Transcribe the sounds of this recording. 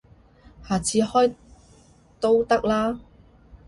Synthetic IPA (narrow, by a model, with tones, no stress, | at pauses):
haː˨t͡sʰiː˨˧hɔː˥j | t̪o˥wt̪ɐ˥k̚laː˥